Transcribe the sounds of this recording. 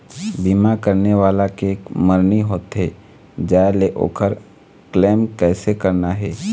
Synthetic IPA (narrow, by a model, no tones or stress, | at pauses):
bimakəɾneʋaːlakeeːkməɾniɦoːt̪ɦɛː | d͡ʒaːeleʔo̰ːkʰəɾ | kleːmkɛːsekəɾnaɦɛː